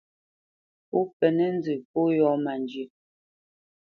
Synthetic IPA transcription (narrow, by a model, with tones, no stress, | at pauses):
po˦pɛ˨nɛ˦n˦d͡zɨ˨po˦jɔ˦ma˨nd͡ʒi˨˦